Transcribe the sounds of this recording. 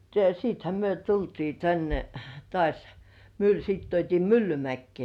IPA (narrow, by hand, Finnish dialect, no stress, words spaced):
jɑ siːthæ myø tultiː tænːe tŏɑˑsʲ myl siːt tuotʲiː mylːymækːĭeˑ